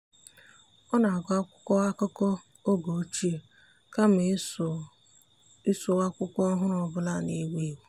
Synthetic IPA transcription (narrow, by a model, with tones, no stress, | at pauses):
ɔ˦na˨a˨ɡʊ˨˦a˦kʷʊ̥˦kɔ˦a˦kɔ˦kɔ˦ | o˦ɡo˨˦t͡ʃi˦e˨ | ka˦m˨ | ɪ˦sʊ˨a˦kʷʊ˦kʷɔ˦ɦʊ˦ɾɔ˨bʊ˦la˦˨ne˦we˦wu˦